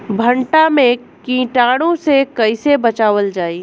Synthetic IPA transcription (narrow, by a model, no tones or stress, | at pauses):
bʱəɳʈamẽ | kĩːʈaːɽõsekɐɪsebɐt͡ʃaːʋəld͡ʒaːiː